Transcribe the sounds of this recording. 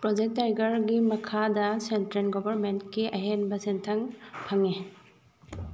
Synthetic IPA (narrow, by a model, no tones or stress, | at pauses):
pɾɔd͡ʒek̚tajɡɐɾɡimɐkʰadɐsentɾenɡɔbɐɾmentkiʔɐɦenbɐsentʰaŋpʰɐŋe